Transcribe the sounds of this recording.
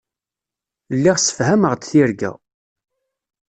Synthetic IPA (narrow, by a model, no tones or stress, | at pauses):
lːiʁsə̥fhæməʁd̪θiɾɡæ̰